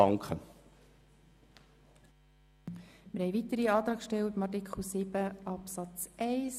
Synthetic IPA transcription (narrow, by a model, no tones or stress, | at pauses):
ɑŋkχə | mɪɾhɛɪʋit̪əɾiɑːt̪ɾɑːkʃtɛltəmɑrt̬ɪkχl̩ˠsɪb̥əʔɑpsɑt͡sɛɪs